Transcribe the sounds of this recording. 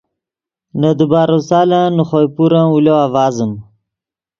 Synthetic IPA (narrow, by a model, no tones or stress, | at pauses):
nəd̪ubaːɾosaːlanuχojpuɾãuloavaːzəm